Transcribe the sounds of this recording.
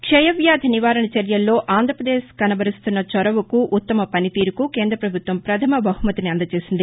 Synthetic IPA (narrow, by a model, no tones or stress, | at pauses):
kʂɛjɐʋjaːd̪ʱɐniʋaːɾɐɳɐt͡ʃɐɾjɐlːo̞ːʔaːnd̪ʱɾɐpɾɐd̪eːskɐnɐbɐɾist̪unːɐt͡ʃɔɾɐʋukuʔːt̪ːɐmɐpɐnit̪iːɾukuke̞ːnd̪ɾɐpɾɐbʱut̪ʋɐmpɾɐt̪ʰɐmɐbɐɦumɐt̪iniɐnd̪ɐt͡ʃe̞ːsind̪i